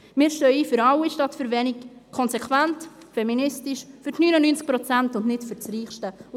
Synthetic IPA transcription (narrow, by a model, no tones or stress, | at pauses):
mɪːɾʃtœʏifʏɾɑwiʃtɑtfʏɾvɛnɪkkʰɔnsɛkʰvænt | fɛminɪstɪʃfyɾtnyːnənynt͡sk̚pɾɔt͡sæntʊnnɪtfʏɾt͡sɾiːχʃtə